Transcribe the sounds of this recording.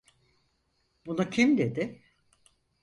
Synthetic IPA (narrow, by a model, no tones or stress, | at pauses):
bunacʰimd̪ed̪ɪ